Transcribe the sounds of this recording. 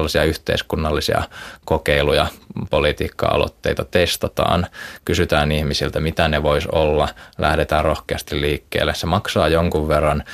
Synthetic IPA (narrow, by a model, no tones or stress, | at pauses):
lːɑsiɑyht̪ḛiskunːɑlːisḭɑ̰kokeilujɑpolit̪ḭːkːɑ̰ɑ̰lo̰t̪ːeit̪ɑt̪est̪ɑt̪ɑ̰ːnkysyt̪æːnihmisilt̪æmit̪æneʋoisolːɑlʔæ̰hdet̪æːrrohkeɑst̪illiːkːḛːlːessemɑksɑːjoŋkuʋʋerːɑn